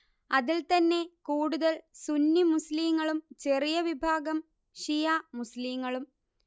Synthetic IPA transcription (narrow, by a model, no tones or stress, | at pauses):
ɐðilt̪ɐnːe̞kuːɽuðɐlsunːimusliːŋːɐɭumt͡ɕe̞rijɐʋibʱaːɡɐm | ɕijaːmusliːŋːɐɭum